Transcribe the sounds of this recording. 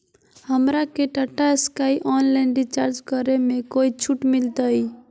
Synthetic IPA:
həmɾakeʈəʈaeskaiʔɔnlaɪnɖit͡ʃaːɾd͡ʒkəɾemẽkoit͡ʃʰuʈmɪlt̪əi

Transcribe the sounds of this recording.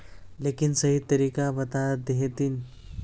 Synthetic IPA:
lekinsəɦit̪ːəɾiːkabət̪ad̪eɦet̪in

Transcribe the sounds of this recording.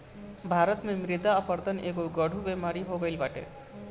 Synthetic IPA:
bʱaːɾət̪mẽmɾɪd̪aːpəɾd̪əneːɡoɡəɽʱubemaːɾiɦoɡəilbaːʈḛ

